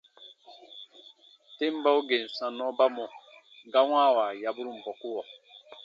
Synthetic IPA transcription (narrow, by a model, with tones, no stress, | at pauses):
te˦m˦ba˦u˦ɡe˨n˨sã˨nɔ˦ba˦mɔ˨ | ɡa˦wãː˦˨wa˨ja˨bu˦ɾu˦˨m̩˨bɔ˨ku˦wɔ˨